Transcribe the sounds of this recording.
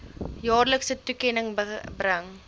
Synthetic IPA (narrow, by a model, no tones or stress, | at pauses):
jɔːrləksətukenəŋbɾɐŋ